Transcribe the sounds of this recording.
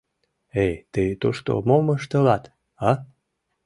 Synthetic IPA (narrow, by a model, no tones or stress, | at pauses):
ejt̪ɨt̪oʃt̪o̰moməʃt̪əlɑt̪ | ɑ